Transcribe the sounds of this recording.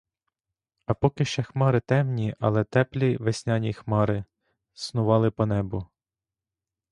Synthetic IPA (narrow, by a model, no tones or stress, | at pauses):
ɐpɔkɪʃt͡ʃɛxmɑɾɪt̪ɛmnʲiʔɐ̰lˠɛt̪ɛplʲiʋesʲnʲɑnʲixmɑɾɪ | snʊʋɑlˠɪpɔnɛbʊ